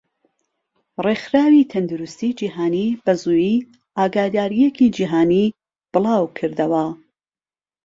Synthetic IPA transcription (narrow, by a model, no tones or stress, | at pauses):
rexɾaːwiːt̪ʰɐnd̪uɾust̪id͡ʒiːɦaːnibɐzuːjiː | aːɡaːd̪aːɾijekid͡ʒiɦaːni | b̥ɨlˠɑːwkʰɨɾd̪ɐwɐ